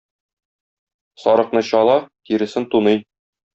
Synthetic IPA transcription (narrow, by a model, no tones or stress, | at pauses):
sɒɾɤ̆qnɤɕɒlˠɑkiɾɘ̆sɘnt̪unɤj